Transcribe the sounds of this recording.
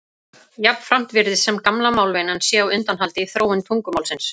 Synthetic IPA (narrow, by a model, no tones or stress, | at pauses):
japn̥fɾam̥t̪vɪɾðɪsɛmkamlamaːwlvɛːnansjɛawʏnt̪anɦalt̪ɪθɾoːwɪnt̪ʰuŋkʏmawlsɪns